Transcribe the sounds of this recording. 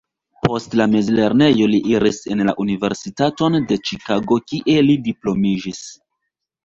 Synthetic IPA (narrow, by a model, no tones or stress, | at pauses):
pʰo̞stlame̞zle̞ɾne̞jo̞liʔiɾise̞nla̰ʔunive̞ɾsitato̞nde̞t͡ʃikaɡo̞kiʔe̞lidiplo̞miʒis